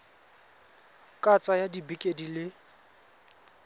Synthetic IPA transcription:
kʼat͡sʼajadibikʼedilɪ

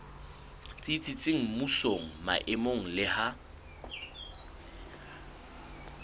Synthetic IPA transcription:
t͡sʼit͡sʼit͡sʼɪŋ̩musoŋ̩ma̰ʔɪmoŋ̩lɪha

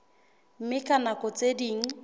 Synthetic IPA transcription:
m̩mɪkʼanakʼɔt͡sʼediŋ̩

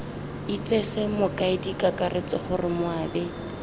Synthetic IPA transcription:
it͡sʼesɛmʊkʼaɪdikʼakʼaret͡sʼɔχʊrɪmʊaːbɛ

